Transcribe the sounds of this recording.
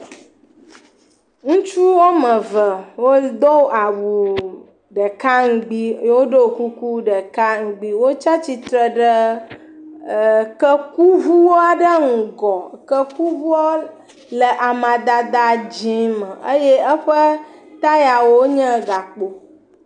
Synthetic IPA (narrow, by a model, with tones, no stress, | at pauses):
ŋũ˦t͡ʃu˦wo˦mə̃˨və˨wo˦d̪o˦wa˨wu˨ | ɖə˨ka˦ŋ̩˦ɡ͡bi˦wo˦ɖo˦˨ku˦ku˦ɖə˨ka˦ŋ̩˨ɡ͡bi˦wo˦t͡ʃa˦t͡ɕi˨t̪ɾə˨ɖə˦˨ | kə˦ku˦vu˦wo˦a˨ɖə˦ŋ̩˨ɡɔ˨kə˦ku˦vu˦a˦ | lə˨ʔa˨mã˨d̪a˨d̪a˨d͡ʒĩ˦mə˨ə˦jɛ˦ə˦ɸə˦t̪a˦ja˨wo˦ɲə̃˦ɡa˨k͡po˨